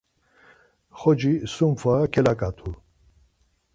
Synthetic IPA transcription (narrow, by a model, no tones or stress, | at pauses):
χɔd͡ʒisumfakʰɛlakʼat̪ʰu